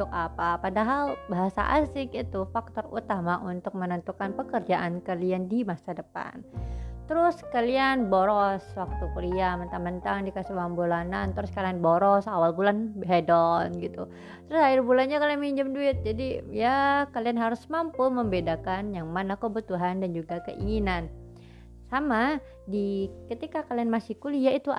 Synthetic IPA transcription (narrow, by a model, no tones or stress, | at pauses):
ʊkapapadaɦalbaɦasa̰ʔa̰sɪkit̪ufak̚t̪ɔrṵt̪amaʔunt̪ʊk̚mənənt̪ukanpəkərd͡ʒaʔankaliandimasadəpa̰nt̪əɾʊskalianboɾɔswak̚t̪ukəɾiamənt̪amənt̪andikasiwambulanant̪ɾʊskalianboɾɔsawalbulanbɦedɔnɡit̪u | t̪əɾʊsaɪrbulanɲakalianmiɲd͡ʒəmduɪt̪̚d͡ʒadijakalianɦaɾʊsmampuməmbedakanjaŋmanakəbut̪uɦandand͡ʒuɡakəʔḭŋinan | sama | dikət̪ikakalianmasikulijait̪u